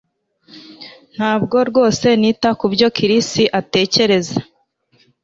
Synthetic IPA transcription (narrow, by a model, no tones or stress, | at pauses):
n̥haːb̚ɡo̞ɾɡo̞ːse̞niːtakubɟo̞kiɾisiʔate̞ːce̞ɾe̞za